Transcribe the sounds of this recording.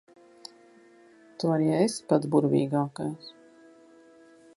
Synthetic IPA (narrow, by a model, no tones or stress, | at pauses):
t̪uaɾjaespat̪buɾvʲḭːɡaːkajs